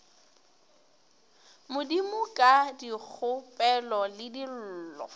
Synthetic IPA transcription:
mʊdimʊkʼadik͡xʰʊpʼɛlɔlɪdil̩ːlɔ̰

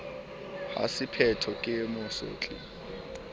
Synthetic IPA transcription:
ha̰sɪpʰɛtʰɔkʼɪmʊso̰ːt͡ɬʼḭ

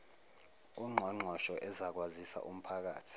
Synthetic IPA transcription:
uŋ͡ǃʱɔŋ͡ǃʱwaʃɔʔɛzak̬wazisa̰ʔum̩pʰak̬a̰ːtʰi̥

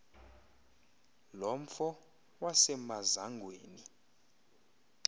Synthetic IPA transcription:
lom̩fɔ | wasɛmazaŋɡʱweːni

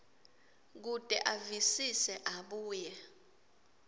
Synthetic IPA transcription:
k̬utʼɛʔavisisɛʔaɓuːjɛ

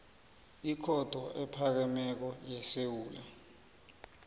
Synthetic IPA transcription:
ikʰɔd̥ʱwɔʔɛpʰak̬ɛmɛk̬ɔjɛsewuːla

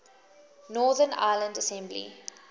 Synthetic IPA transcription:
nɔːd̪əna̰ɪlə̃ndəsɛ̃mblḭ

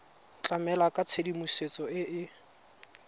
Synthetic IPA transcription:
t͡ɬʼamɛlakʼat͡sʰedimuset͡sʼɔɪʔɪ

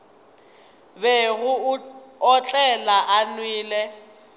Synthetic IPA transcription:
bɛɣʊɔt͡ɬʼɛlaʔanwiːlɛ

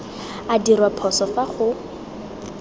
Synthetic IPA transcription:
adirwapʰɔsɔfaχʊ

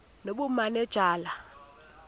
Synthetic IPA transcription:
noɓumanɛd̥ʒ̥ʱaːla

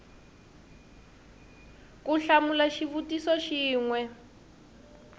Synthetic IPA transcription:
kuɬamulaʃiβutisɔʃiːŋwɛ

